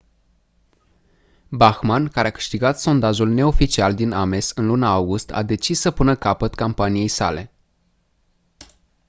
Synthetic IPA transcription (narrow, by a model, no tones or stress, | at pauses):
baxmankaɾeakɨ̥ʃt̪iɡat̪so̞nd̪aʒulne̞o̞fit͡ʃiald̪iname̞sɨnlunaawɡust̪ʰa̰d̪e̞t͡ʃisːəpunəkapət̪kampanije̞jsa̰le̞